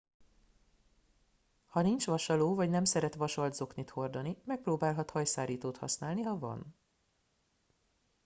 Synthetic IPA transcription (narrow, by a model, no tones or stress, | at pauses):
hɒnint͡ʃʋɒʃɒloːvɒɟnɛmsɛɾɛt̪ʋɒʃɒld̪zo̞knit̪ho̞rd̪ɒnimɛk̚proːbaːlɦɒt̪hɒjsaːɾiːt̪oːt̪hɒ̰snaːlniɦɒvɒ̰n